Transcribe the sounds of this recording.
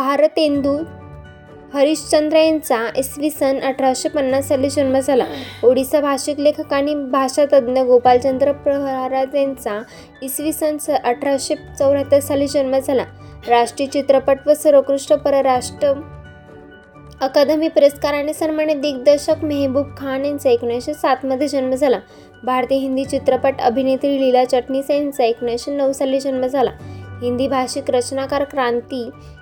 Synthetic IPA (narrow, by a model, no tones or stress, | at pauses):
bʱaɾət̪end̪u | həɾiɕt͡ɕənd̪ɾəjant͡saʔisʋisənəʈʰɾawɕepənːassaliːd͡ʑənməd͡zʱalaoɽisabʱaɕiklekʰəkaɽ̃ibʱaʂat̪əd̪njəɡopalt͡ɕənd̪ɾəpɾəɦɾad͡zjãnt͡sa | isʋisənsəʔəʈʰɾaɕet͡səwɾat̪əsaliːd͡ʑənməd͡zʱala | ɾaʂʈɾit͡ɕit̪ɾəpəʈʋəsəɾokɾuʂʈɾəpəɾəɾaʂʈɾə | kad̪əmipɾeskaɾaɽ̃isənməɳed̪ik̚d̪əɕəkməɦebub̚kʰanẽnt͡saeknjãjɕesat̪məd̪ʱːjed͡ʑənməd͡zʱala | bʱaɾt̪iɦind̪it͡ɕit̪ɾəpəʈə̰bʱinet̪ɾililat͡ɕəʈnisant͡saeknjãɕenəwsalːid͡ʑənməd͡zʱala̰ɦĩnd̪iːbʱaɕikɾət͡ɕnakaɾkɾãnt̪i